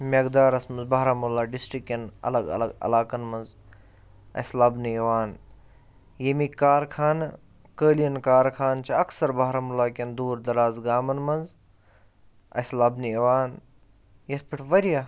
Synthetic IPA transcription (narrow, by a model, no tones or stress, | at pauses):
mʲeɡd̪aːɾɐsmɐnzbaɦɾamulaːɖisʈɾikenɐ̰lɐɡɐ̰lɐɡɐ̰laːkɐnmɐnz | ɐ̰slɐbnieʋaːn | jemikaːɾkʰaːn | kəːlijɐnkaːɾkʰaːnt͡ʃʰiɐksɐɾbaɦɾamulaːkʲend̪uːɾd̪ɐɾaːzɡaːmɐnmɐnz | ɐ̰slɐbnieʋaːn | jɐt̪piʈʰʋɐɾjaː